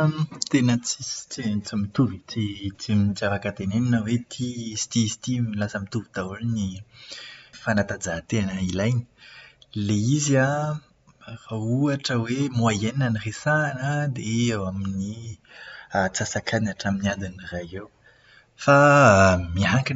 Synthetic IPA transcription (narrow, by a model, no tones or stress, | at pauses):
t̪enət͡sist͡sit͡simit̪uvit͡sit͡siminzavakət̪eneninəwet̪ʰist̪ist̪imilasəmit̪uvit̪aulni | fanat̪ad͡zat̪eanəilajni̥leizia | rauaʈ͡ʂəwemuajeninaniresaːnəd̪eewamini | at͡sasakanaʈ͡ʂaminiad̪iniraɦew | fa | miɦaŋkin